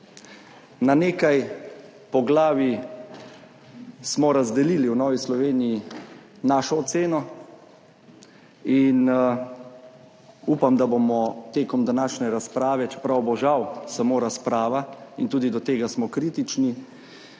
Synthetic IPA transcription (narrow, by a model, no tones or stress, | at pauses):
naneːkaj | pɔɡlaːʋi | smɔɾazd̪ɛliːliwnɔːʋislɔʋeːniji | naːʃɔːt̪seːnɔ | in | uːpamd̪abomɔt̪eːkɔmd̪anaːʃnɛɾaspɾaːʋɛt͡ʃɛ̥pɾawbɔʒawsamoːɾaspɾaːʋaint̪uːd̪id̪ɔt̪eːɡasmɔkɾiːt̪it͡ʃni